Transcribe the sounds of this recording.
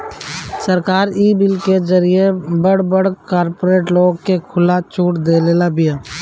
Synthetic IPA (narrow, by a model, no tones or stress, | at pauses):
səɾkaːɾiːbɪlkezəɾijebəɽbəɽkaːɾpoːɾeːʈloːɡ̚kekʰʊlat͡ʃuːʈd̪eːleːlabɪja